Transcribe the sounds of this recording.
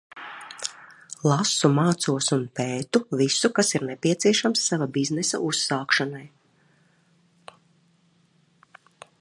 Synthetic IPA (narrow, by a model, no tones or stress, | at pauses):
lˠasumaːt̪suɔsunpeːt̪uvisukasiɾnepʲiɛt̪siɛʃamsːavabiznɛsa̰ʔusːaːkʃanaj